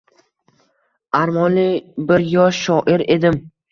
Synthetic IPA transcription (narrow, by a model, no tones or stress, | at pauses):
aɾmɒnlɪbɪɾjɒʃːɒʔɪɾe̞d̪ɪm